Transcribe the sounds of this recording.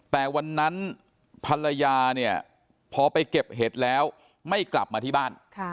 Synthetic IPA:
t̪ɛː˨˩wa˧nːa˦˥n | pʰa˧la˧jaː˧ni˥˩ə | pʰɔː˧pa˧jke˨˩p̚ɦe˨˩t̪̚lɛː˦˥w | ma˥˩jkla˨˩p̚maː˧t̪ʰiː˥˩baː˥˩nkʰ

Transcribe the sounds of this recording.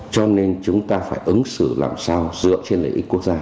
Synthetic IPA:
t͡ɕɔ˧ne˧nt͡ɕʊ˨˦ŋ͡mt̪aː˧faː˧˩jʔɨ˨˦ŋsɨ˧˩la̰ː˨˩msaː˧wzɨ̰˧˨ət͡ɕe˧nlḛ˧˩ʔi˦˥k̟ku˦˥ək̚zaː˧

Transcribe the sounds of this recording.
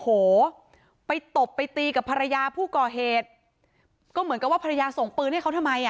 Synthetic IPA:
hoː˨˩˦ | pa˧jt̪o˨˩pːa˧jt̪iː˧ka˨˩pʰa˧ɾa˧jaː˧pʰuː˥˩kɔː˨˩ɦeː˨˩t̪̚ | kɔː˥˩mɯ˩˦nka˨˩pwaː˥˩a˧ɾa˧jaː˧so˨˩ŋpɯː˧nha˥˩jkʰt̪ʰa˧mːa˧j

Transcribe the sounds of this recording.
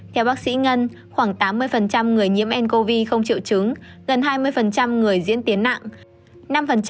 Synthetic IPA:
t̪ʰɛ˧wɓaː˦˥k̚sḭ˧˥ŋə˧n | xwaː˧˩ŋt̪aː˨˦mːɨ˧əjfə˨˩nt͡ɕa˧mŋɨ˨˩əjɲḭ˧˥əmʔɛ˧nko˧vi˧xə˧wŋ͡mt͡ɕḭ˧˨wt͡ɕɨ˨˦ŋ | ɣə˨˩nɦaː˧jmɨ˧əjfə˨˩nt͡ɕa˧mŋɨ˨˩əjzḭ˧˥ənt̪i˨˦ənːa̰˧˨ŋ | na˧mfə˨˩nt͡ɕ

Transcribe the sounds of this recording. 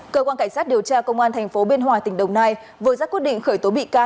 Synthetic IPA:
kəː˧kwaː˧nka˧˩ŋ̟saː˦˥t̚ɗi˨˩əwt͡ɕaː˧kə˧wŋ͡mʔaː˧nt̪ʰɛ˨˩jŋ̟fo˨˦ɓi˧ənɦwaː˨˩t̪ï˨˩ŋ̟ɗə˨˩wŋ͡mnaː˧j | vɨ˨t̚zaː˦˥kwt̚ɗḭ˧˨ŋ̟xəː˧˩jt̪o˨˦ɓḭ˧˨kaː˧

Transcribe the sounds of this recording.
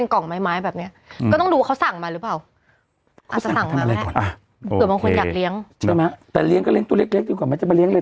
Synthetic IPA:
nkɔ˨˩ŋmaː˦˥jmaː˦˥jbɛː˨˩p̚ni˦˥ɐʔkɔː˥˩ɔ˥˩ŋduː˧wa˥˩a˦˥wsa˨˩ŋmaː˧ɾɯ˦˥paː˨˩w | kʰːt͡ɕa˨a˨sa˨˩˦mʰa˧mʔa˧ɾa˧jɔ˨˩nʔa˧˩ | ɯ˨˩baː˧ŋkʰo˧njaː˨˩kli˦˥əŋt͡ɕʰɯ˥˩˨ma˦˥t̪ɛː˨˩li˦˥ŋkɔ˥˩li˦əŋt̪u˧˩˨le˦˥k̚le˦˥k̚di˧kwaː˨˩ma˦˥nt͡ɕa˨˩ma˧li˦˥ŋləː˧

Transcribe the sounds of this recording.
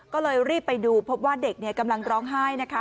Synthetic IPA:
kɔː˥˩lɤː˧jɾiː˥˩pːa˧jduː˧pʰo˦˥p̚waː˥˩de˨˩k̚ni˥˩ɐka˧mla˧ŋɾɔː˦˥ŋɦaː˥˩jna˦˥kʰa˦˥

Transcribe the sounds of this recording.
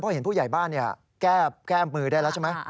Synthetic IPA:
pʰɔː˧˩he˩˦npʰuː˥˩ja˨˩jbaː˥˩nːi˥˩ɐ | kɛː˥˩kɛː˥˩˧mɯː˧ɾaː˥˩jlɛ˦˥wt͡ɕʰa˥˩ma˦˥j

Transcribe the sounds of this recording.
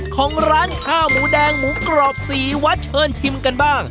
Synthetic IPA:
kʰɔː˩˦ŋɾaː˦˥n̚hʰaː˥˩muː˩˦dɛː˧ŋmuː˩˦kɾɔː˨˩p̚siː˨˩wa˦˥t̪̚t͡ɕʰɤː˧nt̪ʰi˧mka˧nbaː˥˩ŋ

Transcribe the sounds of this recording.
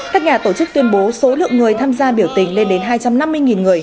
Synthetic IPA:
kaː˦˥k̚ɲaː˨˩t̪o˧˩t͡ɕɨ˦˥k̚t̪wi˧ənɓo˨˦so˨˦lɨ̰˧˨əŋɨ˨˩əjt̪ʰaː˧mzaː˧ɓi˧˩əwt̪ï˨˩ŋ̟le˧nɗe˨˦nɦaː˧jt͡ɕa˧mna˧mːɨ˧əŋi˨˩nŋɨ˨˩əj

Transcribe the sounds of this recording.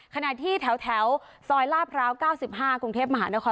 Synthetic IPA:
kʰa˧na˨˩t̪ʰiː˥˩t̪ʰɛ˩˦wt̪ʰɛ˩˦˥w | sɔː˧jlaː˥˩pʰɾaː˦˥wkaː˥˩wsi˨˩p̚ɦaː˥˩kɾu˧ŋt̪ʰeː˥˩p̚ma˧ɦaː˩˦na˦˥kʰɔː˧

